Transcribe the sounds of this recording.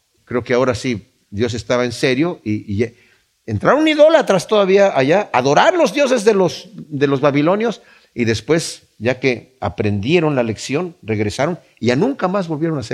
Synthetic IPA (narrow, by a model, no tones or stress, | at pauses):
kɾe̞okeao̞ɾasi | ðjo̞s̬est̪aβaense̞ɾjo̞iʝa | ent̪ɾaɾoniðo̞lat̪ɾast̪oðaβiaʔaʝaaðo̞ɾaɾlo̞zðjo̞s̬e̞zðelosðe̞lo̞zβaβilo̞njo̞s | iðe̞spwe̞s | ɟ͡ʝake | a̰pɾe̞nd̪je̞ɾo̞nlale̞ksjo̞nre̞ɣɾesaɾo̞n | iʝanũŋkamazβo̞lβje̞ɾo̞nase